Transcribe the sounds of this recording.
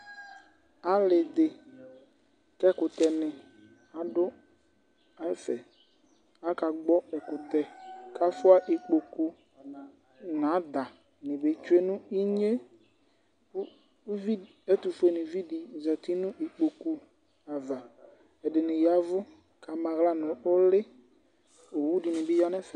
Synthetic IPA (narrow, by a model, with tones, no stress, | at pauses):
a˨lɪ˨d̪ɪ˨ | kɛ˦kʊ˨t̪ɛ˨nɪ̃˨ | a˨dʊ˦ | a˦ɛ˦fɛ˨ | a˦ka˨ɡ͡bɔ˦ɛ˨kʊ˨t̪ɛ˨ka˦fʊ˦a˦ʔe˨k͡po˨ku˦˨ | nã˨˦d̪a˨ | nɪ̃˨be˨˦t͡ʃʊ˦e˦nʊ̃˦i˦ɲe˦ | vi˦ | ɛ˦t̪ʊ˨fʊ˦e˨nɪ̃˨vi˦di˨za˨t̪i˦nʊ̃˦ʔi˨k͡po˨ku˨ | a˨va˨ | ɛ˨dɪ˨nɪ̃˨ja˨˦vʊ˦ | ka˨mã˨ɣla˦nʊ̃˨ʊ˦lɪ˦ | o˨wu˦dɪ˨nɪ̃˨bɪ˦ja˦nɛ˦fɛ˨